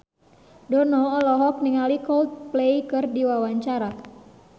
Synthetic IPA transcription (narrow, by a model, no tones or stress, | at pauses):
dɔnɔːlɔɦɔk̚niŋalikɔlt̪̚plejkɨrdiwawaɲt͡ʃaɾa